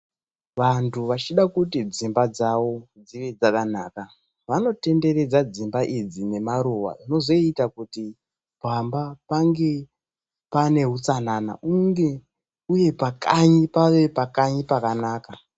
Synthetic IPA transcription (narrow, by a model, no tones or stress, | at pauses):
ʋantʰuʋat͡ʃiɗakutid͡zimbad͡zaʋo̞ | d͡ziʋe̞d͡zakanaːka | ʋano̞te̞nde̞ɾe̞d͡zad͡zimbaʔid͡zine̞maɾuʋa̰ʐino̞zo̞itakuti | bʱambapaŋɡe̞ | pane̞ɦut͡sanana̰ʔuŋɡe̞ | uje̞pakaɲipaʋe̞pakaɲipakanaːka